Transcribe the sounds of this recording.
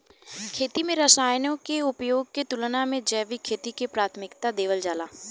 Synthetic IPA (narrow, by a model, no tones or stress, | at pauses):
kʰeːt̪imẽɾəsaːjnõkeʊpjoːɡ̚ket̪ʊlnamẽd͡ʒɛːʋikʰeːt̪ikepɾaːt̪ʰmɪkt̪ad̪eːʋəld͡ʒaːlaː